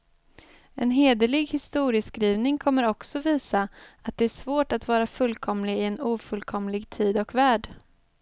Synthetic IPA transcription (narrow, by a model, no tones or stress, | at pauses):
ɛ̰nɦeːd̪əlɪɡhɪst̪uːɾɪəskɾiːvnɪŋkʰɔmːəɾɔksɔviːsaat̪̚d̪ɛæʂvoːʈat̪vɑːɾafɵlkʰɔmlɪɪɛnuːfɵlkʰɔmlɪɡt̪ʰiːd̪ɔkvæːɖ